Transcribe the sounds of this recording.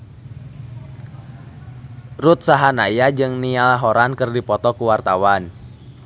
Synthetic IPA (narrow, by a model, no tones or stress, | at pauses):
rut̪̚saɦanajad͡ʒɨŋnialaɦɔɾankɨrdipɔt̪ɔkuwart̪awan